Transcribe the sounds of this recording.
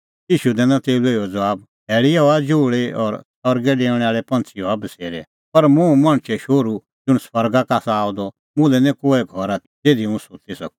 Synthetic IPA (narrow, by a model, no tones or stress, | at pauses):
jiːʃud̪ɛːnãt̪eːuleiɔd͡zʋaːb | ɦɛːɭijaɔad͡ʒoːɭeɔɾsʰɔɾɡɛɖeːɽ̃ɛ̃aːɭɛpɐ̃nt͡sʰiɔabəseːɾɛ̰ | pɐɾmũmɐɽ̃t͡ʃʰɛʃoːɾu | d͡zʊɽ̃swɐɾɡakaːsaaːɔd̪ɔ | mʊ̃lɛnɛ̃koːɛɡʱɔɾa | t̪eːd̪iũsʊt̪isɐ̰k̚u̥